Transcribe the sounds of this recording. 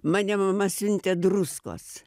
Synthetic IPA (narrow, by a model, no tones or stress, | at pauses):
mɑːnʲɛmɐmɐsʲʊnʲt̪ʲɛd̪rusko̰ːs